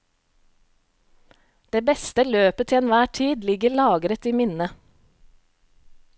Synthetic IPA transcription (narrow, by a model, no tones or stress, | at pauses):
d̪̥eːbɛst̪əløːpət̪ʰɪɛnʋæːʈʰiːd̪lɪɡəɭɑːɡɾət̪iːmɪnə